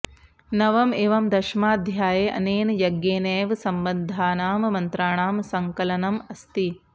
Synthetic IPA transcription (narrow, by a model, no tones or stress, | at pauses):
nɐʋɐmeːʋɐmd̪ɐʃmaːd̪ʱjaːjeːʔɐ̰neːnjɐɡjeːneːʋsɐmbɐnd̪ʱaːnaːmmɐnt̪ɾaːɳaːmsɐŋkɐlɐnɐmɐst̪i